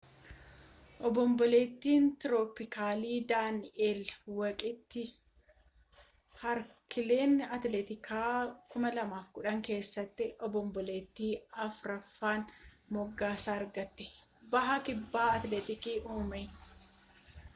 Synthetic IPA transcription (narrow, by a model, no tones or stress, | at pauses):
ʔɔbɔmbɔleːt̪ːiːnt̪ɾoːpɪkaːliːd̪aːnɛelwɐkʼɪt̪ːɪ | hɐɾkʰɪle̞ːnɐt̪let̪ɪkʰaːkʊmɐlɐmaːfkʊᶑɐŋke̞ːsːɐt̪ːɪʔɔbɔmbɔleːt̪ːiːɐfɾɐfːaːn | mɔɡːaːsaːɐɾɡɐt̪ːɛ̥ | bɐɦɐkɪbːaːɐt̪let̪ɪkiːʔuːmɛj